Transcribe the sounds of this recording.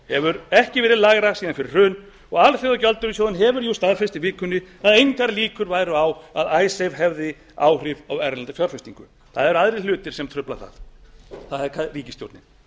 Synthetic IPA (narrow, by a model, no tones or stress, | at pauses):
hɛvʏɾɛhcɪvɛːɾɪðlaɣɾasiːðanfɪɾɪ̥r̥ʏːn | ɔɣalθeðacœlt̪ʏɾisjoːwðʏnɦɛvʏɾjust̪aðfɛst̪ɪvɪːkʏnːɪaðejŋkaɾliːkʏɾvaːjɾʏawaðaːjsejvɦɛvðɪ | a̰ːwr̥ɪvawɛɾnlant̪afʰjɔɾ̥fɪst̪iŋkʏ̰ | θaðɛɾaðɾɪlʏːt̪ɪɾ̥sɛmt̪ʰɾʏplaθa̰ðθaðɛɾkʰariːcɪst̪jo̰ɾt̪ɪ